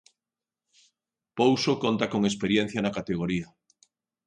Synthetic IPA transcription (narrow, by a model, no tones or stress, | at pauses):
powsokont̪akoŋespeɾjen̟θjɐnakat̪eɣ̞oɾiɐ